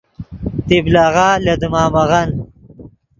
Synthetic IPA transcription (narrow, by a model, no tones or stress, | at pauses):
t̪iblaːɣaːlɐd̪umaːmɐɣɐn